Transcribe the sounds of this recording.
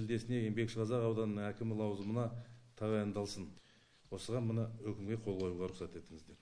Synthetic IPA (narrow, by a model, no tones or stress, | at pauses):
ɪld̪e̞sɪne̞jembe̞kʃqʰɑzɑqɑwd̪ɑnənəŋækʲɪmɪlˠɑwzəmənɑt̪ʰɑʁɑjɑnd̪ɑlˠsən | wo̞səʁɑnmənɑwɵkʲɪmɡʲe̞qʰo̞lˠʁɑjuʁɑɾʊqsɑt̪e̞t̪ɪŋɪzd̪e̞ɾ